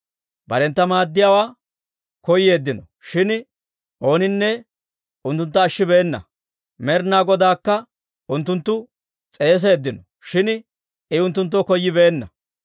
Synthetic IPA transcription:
bɐɾɛnt̪ːɐmaːd̪ːɪjaːwaː | kɔjːe̞ːd̪ːɪnɔ | ʃɪn | ʔo̞ːnɪnːɛ | ʊnt̪ːʊnt̪ːɐːʃːɪbe̞ːnːɐ̰ | mɛɾnaːɡɔd̪aːkːɐ | ʊnt̪ːʊnt̪ːʊ | t͡sʼe̞ːs̬e̞ːd̪ːɪnɔ | ʃɪn | ɪʊnt̪ːʊnt̪̬ːokɔjːɪbe̞ːnːɐ

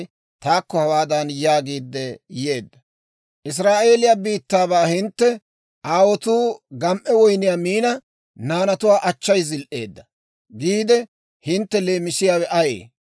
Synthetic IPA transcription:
t̪aːkːɔhɐwaːd̪ɐnjaːɡiːd̪ːɛje̞ːd̪ːɐ | ʔɪs̬ɾaːʔe̞ːlɪjabiːt̪ːaːbaːhɪnt̪ːɛ | ʔaːwɔt̪uːɡɐmʔɛwɔjnɪjaːmiːnɐ | naːnɐt̪ʊwaːʔɐt͡ʃːɐjzɪlʔe̞̰ːd̪ːɐ | ɡiːd̪ɛ | hɪnt̪ːɛle̞ːmɪsɪjaːwɛʔɐjḛː

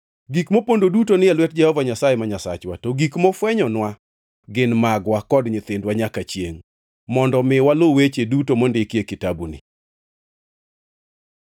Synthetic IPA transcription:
ɡikmopondodutonɪjalwɛt̚d͡ʒɛhɔvaɲasajɛmaɲasat͡ʃwatoɡikmɔfwɛɲɔnwa | ɡɪnmaɡwakɔdɲɪt̪ɪndwaɲakat͡ʃjeŋ | mɔndɔmɪwalowet͡ʃedutomondɪkjekɪtabunɪ̰

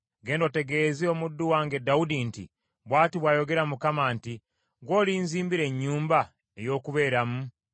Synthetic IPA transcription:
ɡe̞ːndote̞ɡeziomudːuwaːŋɡe̞daudintḭ | βwaːtiβwaːjo̞ɡe̞ɾamukamaːnti | ɡwo̞ːliːnziːmbiɾe̞ɲːuːmba | ejo̞ːkuβe̞ːɾamu

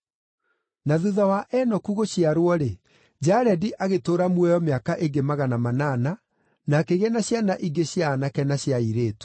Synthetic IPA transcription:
naðuðawaʔɛnɔkuɣoɕiaɾwɔɾe | d͡ʒaɾɛdiʔaɣetoːɾamwɛjɔmeakaʔeɡemaɣanamanana | nakeɣɛnaɕjanaʔiɡeɕjaːnakɛnaɕjaiɾeːtu̥

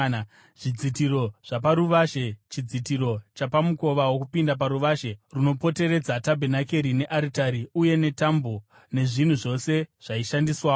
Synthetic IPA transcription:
ʐ̥id͡zitiɾo̞ʐ̥apaɾuʋaʃet͡ʃid͡zitiɾo̞t͡ʃapamuko̞ʋawok̬upindap̬aɾuʋaʃe̞runo̞po̞te̞ɾe̞d͡zatabʱenake̞ɾine̞ʔaɾitaɾiuje̞ne̞tambo | ne̞ʐin̤uʐo̞se̞ʐ̥aiʃandiswaː

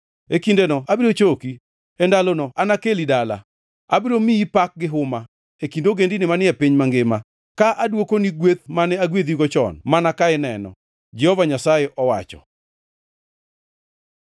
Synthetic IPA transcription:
ekindenɔabiɾot͡ʃoki | ɛndalonɔʔanakelidala̰ | abiɾomiipak̚ɡɪɦʊma | ekindoɡendinɪmanɪɛpiɲmaŋɡɪma | kaʔadwokoniɡwet̪manɛaɡwed̪iɡɔt͡ʃɔ̰nmanakaɪnɛnɔ̰ | d͡ʒɛhɔvaɲasajeʔɔwa̰t͡ʃɔ̰

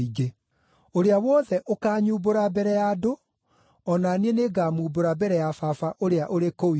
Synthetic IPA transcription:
iɡe | oɾeawɔːðɛʔokaːɲuːboɾabɛɾɛjaːdo | ɔnanieneɡamuːboɾabɛɾɛjafafaʔoɾeaʔoɾekoi

